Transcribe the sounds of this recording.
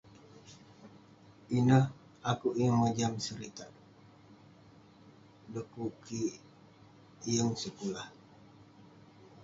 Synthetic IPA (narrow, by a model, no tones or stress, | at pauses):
inəh | akuʔijəŋməd͡ʒamsəɾit̪aʔ | dəkuki | jəŋsəkulah